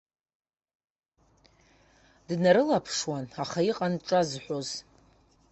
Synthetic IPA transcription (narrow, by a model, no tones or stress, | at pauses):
dnaɾɨlapʰʂwanaχaiqʼanʈ͡ʂʼazħʷoz̥